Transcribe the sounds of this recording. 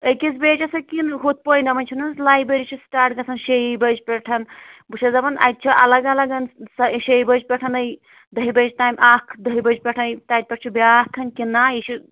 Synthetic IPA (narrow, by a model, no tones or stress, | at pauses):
əjkizbeːt͡ʃɐsɐkinɦot̪̚pojnd̪ɐmɐnʲt͡ʃʰunɐnzlaːjbɾeɾit͡ʃʰisʈaːʈɡɐsʰɐnʃeibɐd͡ʒpʲɛʈʰɐnbut͡ʃʰɐzɐbɐnʔɐ̰jt̪̚t͡ʃʰiʔɐ̰lɐɡɐlɐɡɐnsɐʃejbɐd͡ʒpʲɛʈʰɐnəj | d̪ɐɦibɐd͡ʒʈaːjmʲʔaːkʰd̪ɐɦibɐd͡ʒpʲeʈʰɐjt̪aːt̪̚pʲeʈ̚ʰt͡ʃʰubakʰɐnkinːaːjit͡ʃʰi